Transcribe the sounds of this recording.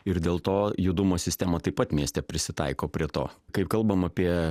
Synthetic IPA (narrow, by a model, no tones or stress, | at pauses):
ɪɾd̪ʲeːlˠt̪oːjʊd̪ʊmoːsʲɪsʲt̪ʲæːmɐt̪ɐɪpɐt̪mʲiɛsʲt̪ʲɛpʲɾʲɪsʲɪt̪ɐ̰ɪkoːpʲɾʲiɛt̪o̰ːkɐɪpkɐlˠbɐmɐpʲiɛ